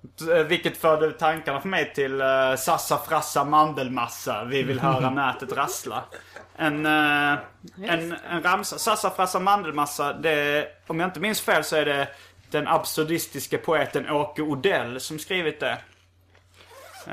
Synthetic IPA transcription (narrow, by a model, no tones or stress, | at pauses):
vɪkːət̪fœːɖət̪ʰaŋkaɳafœɾmɛjt̪ʰɪlsasafɾasːamand̪əlmasːavɪvɪlɦœːɾanæːt̪ət̪ɾasla̰ʔɛn | ɛnɛnɾamsasasafɾasamand̪əlmasːad̪ɛɔmjaɪnt̪əmɪnsfeːlsɔæɖɛd̪̥ɛnʔapsʉd̪ɪst̪ɪskəpʰʊeːt̪ənʔoːkəʊd̪ɛlːsɔmskɾiːvɪt̪̚d̪ɛ